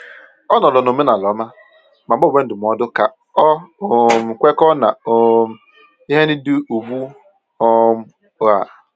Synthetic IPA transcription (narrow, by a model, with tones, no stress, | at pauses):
ɔ˦nɔ˨lɔ˨no˨me˦na˨lɔ˨˦ma˦ | ma˨˦o˦˨be˦n̩˦dʊ˨m˨ɔ˦dʊ˦ka˨ | ɔ˦o˨m̩˨kʷe˦kɔ˦na˨o˨ | i˦ɦe˦ni˦du˦u˨bu˦ | ɔ˦m̩˦ | a̰˨